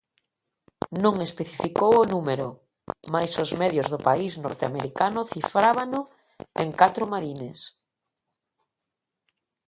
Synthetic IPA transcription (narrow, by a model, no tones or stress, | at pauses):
nõŋespeθifikowʊnumeɾʊ | majsʊzmɛðjʊzðʊpaisnɔ̰ɾt̪ea̰meɾikanʊθifɾaβanʊ | eŋkat̪ɾʊmaɾines